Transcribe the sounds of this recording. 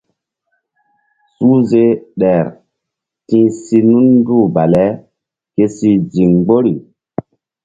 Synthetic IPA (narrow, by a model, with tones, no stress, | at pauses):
su˦ze˦ɗɛ˨ɾ | tĩ˦si˦nu˦nː˦du˦˨ba˨lɛ˦ | ke˦si˦d͡ʒi˨ŋɡ͡bo˦ɾi˨